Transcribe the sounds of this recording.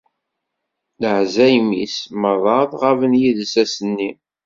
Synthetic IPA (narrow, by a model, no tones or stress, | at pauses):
ləhzæjmisməðˤɑðˤʁævənjiðsæsənːi